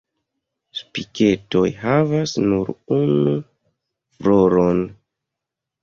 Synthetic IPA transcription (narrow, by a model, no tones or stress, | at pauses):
spike̞to̞jɦavasnuɾunu | fɾoɾon